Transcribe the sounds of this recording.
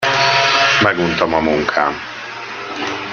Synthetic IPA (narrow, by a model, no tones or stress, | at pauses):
mɛɡunt̪ɒmɒmuŋkʰaːm